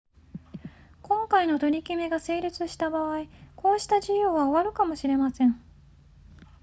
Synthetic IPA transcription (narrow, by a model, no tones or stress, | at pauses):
kõ̞ŋkaino̞t̪o̞ɾʲikʲime̞ɡase̞ːɾʲɯt͡sɨɕi̥t̪abaβaiko̞ːɕi̥t̪aʑijo̞ːβaoβaɾɯ̟kamo̞ɕiɾe̞masẽ̞ɴ